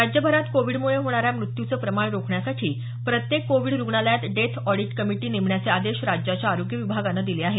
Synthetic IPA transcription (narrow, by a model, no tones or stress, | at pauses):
ad͡ʑjəbʱəɾat̪koʋiɽmuɭeɦoɽ̃aɾjamɾut̪jut͡səːpɾəmaɳɾokʰɳjasaʈʰiː | pɾət̪jekːoʋiːɽɾuɡɳaljat̪ɖet̪ʰɔɽiʈkəmiʈiːneʋɳjat͡sead̪eɕɾad͡ʑjat͡ɕjaːɾoɡjəʋibʱaɡanːəd̪ileaɦe